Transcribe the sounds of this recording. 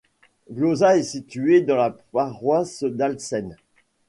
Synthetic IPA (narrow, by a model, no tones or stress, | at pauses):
ɡlozaesit̪yed̪ɑ̃lapaʁwasd̪alsɛn